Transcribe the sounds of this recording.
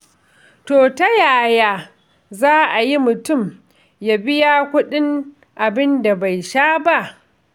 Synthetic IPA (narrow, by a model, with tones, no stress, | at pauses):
toː˨ta˦jaː˨jaː˦ | zaː˦ʔa˨ji˦mʊ˨tʊ˦˨m | ja˦bɪ˦jaː˦kʷʊ˦ɗɪ˦ŋ | ʔa˨bɪ˦nda˨ba˨jʃaː˦ba˦˨ʔ